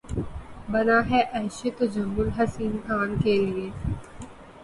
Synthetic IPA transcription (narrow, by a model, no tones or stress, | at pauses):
bɐnaɦɛʔɛːʃet̪od͡ʒɐmːʊlɦɐsiːnkʰaːnkelie